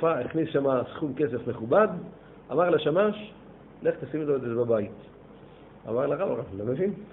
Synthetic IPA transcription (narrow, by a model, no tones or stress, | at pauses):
faiχnisʃamasχumkesefmeχubad̪ | amaʁlaʃamaʃ | le̞χt̪asimotoezeebabait̪ | a̰maʁlaʁabaʁalomevin